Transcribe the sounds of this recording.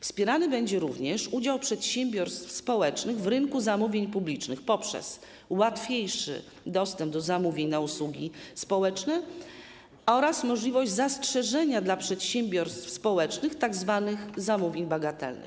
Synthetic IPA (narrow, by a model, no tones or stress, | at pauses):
fspʲjɛɾanɘbɛɲd͡ʑɛɾuvɲɛʂud͡ʑawpʂɛt̪ɕɛmbʲjɔɾst̪fspɔwɛt͡ʂnɘɣvɾɘnkuzamuvʲjeɲpublʲit͡ʂnɘxpɔpʂɛ̰s | wat̪fʲjejʂɘ̰ | d̪ɔst̪ɛmb̚d̪ɔzamuvʲeɲnauswuɡʲispɔwɛt͡ʂnɛ | ɔɾasmɔʐlʲivɔʑd͡ʑzastʂɛʐɛɲad̪lapʂɛt̪ɕɛmbʲjɔɾst̪fspɔwɛt͡ʂnɘxt̪aɡzvanɘxzamuvʲjeɲbaɡat̪ɛ̰lnɘ̰x